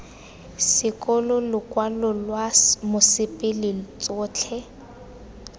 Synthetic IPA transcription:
sɪkʼɔlɔlʊkʼwalɔlwamʊsɪpʼɪlɪt͡sʼʊːt͡ɬʰɛ

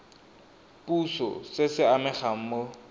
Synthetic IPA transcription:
pʼusɔ̰sɪsɪamɛχaŋ̩mo

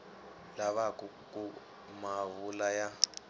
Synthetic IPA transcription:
laβakʼukʼu | maβulaja

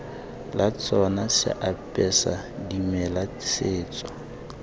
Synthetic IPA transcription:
lʔat͡sʼɔnasɪ̰ʔapʼɛsa̰ | dimɛla | sʰeːt͡sʼɔ

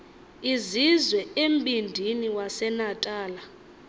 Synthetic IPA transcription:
izizwɛem̩bʱʼindʱiniwasɛnatʼaːla

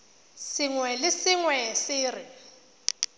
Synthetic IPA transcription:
sɪŋwɛlɪsɪŋwɛsɪːrɪ

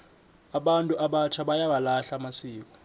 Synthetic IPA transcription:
aɓantʼuʔaɓat͡ʃʰaɓajawalaɬamasiːk̬ʼɔ̥

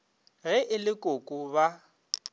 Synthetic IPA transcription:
ɣɛʔɪlɪkʼokʼʊba

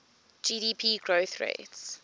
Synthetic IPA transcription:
d͡ʒiːɾiːpʰiːɡɹoʊθɹḛɪts

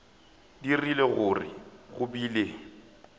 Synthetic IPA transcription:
dirileɣʊrɪ̰ɣʊbiːle

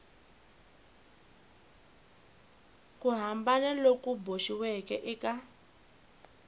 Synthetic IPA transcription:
kuɦambanɛlokuboʃiwɛkɛʔɛka

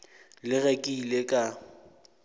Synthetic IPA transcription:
lɪɣekʼiːlekʼa

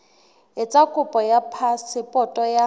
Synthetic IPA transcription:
ɪt͡sʼakʼʊpʼɔjapʰasɪpʼɔtʼɔja

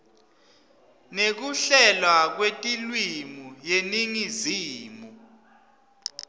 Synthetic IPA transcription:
nek̬uɬɛlwak̬wetʼilwimujeniŋiziːmu

